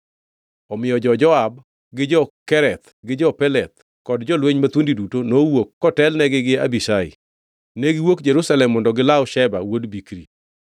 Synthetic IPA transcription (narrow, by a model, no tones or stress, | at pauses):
ɔmɪjɔd͡ʒɔd͡ʒɔab | ɡɪd͡ʒɔkɛɾɛt̪ | ɡɪd͡ʒɔpɛlɛt̪ | kɔdd͡ʒɔlweɲmat̪wondidutonowokːɔtɛlnɛɡɪɡɪabiʃaɪ̰ | neɡɪwokd͡ʒeɾusalɛmːɔndɔɡɪlaʊʃɛba̰wodbikɾḭ